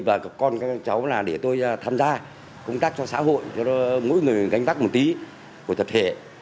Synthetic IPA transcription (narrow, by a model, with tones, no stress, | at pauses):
vaː˨˩kɔ˧nt͡ɕa˨˦wlaː˨˩ɗe˧˩t̪o˧jt̪ʰaː˧mzaː˧ | kə˧wŋ͡mt̪aː˦˥k̚t͡ɕɔ˧sa̰ː˧˥ɦo̰˧˨jɔ˧mo̰˧˥jŋɨ˨˩əjɣa˨˦jŋ̟t̪aː˦˥k̚m˨˩t̚t̪i˨˦ | ku˧˩ət̪ə˨˩p̚t̪ʰe˧˩